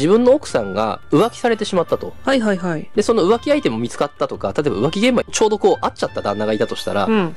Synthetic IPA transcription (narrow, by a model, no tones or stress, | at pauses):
ibɯ̟̃nːo̞ːkɯ̟̥sãŋɡa̰ɯ̟βakʲi̥saɾe̞t̪e̞ɕimat̪ːat̪o̞haiɦaiɦaid̪e̞so̞no̞ɯ̟βakʲiait̪e̞mo̞mʲit͡sɨ̥kat̪ːat̪okat̪at̪oːbaɯ̟βakʲiɡẽ̞mbat͡ɕo̞ːd̪o̞ko̞ːʔat͡ɕat̪ːad̪ãnːaɡait̪at̪o̞ɕi̥t̪a̰ɾa̰